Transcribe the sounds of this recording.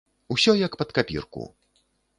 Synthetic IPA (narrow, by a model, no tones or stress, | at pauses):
usʲɔjɐkpɐt̪kapʲḭrkṵ